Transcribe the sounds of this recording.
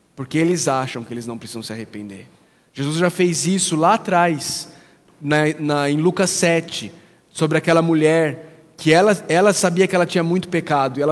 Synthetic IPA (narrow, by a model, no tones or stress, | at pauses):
poɾkeelɪzaʃɐ̃w̃kɪelɪznɐ̃w̃pɾesizɐ̃w̃sɪahepḛ̃nd̪eɾ | ʒ̥ezuzʒafejzisʊlaːt̪ɾajs | nɐnɐẽj̃lukɐsːɛt͡ʃɪ | sobɾɪakɛlɐmuʎɛɾ | kɪɛlɐɛlɐsabiɐkɪɛlɐt͡ʃĩɲɐmũj̃t̪ʊ̥pekad̪ʊiɛl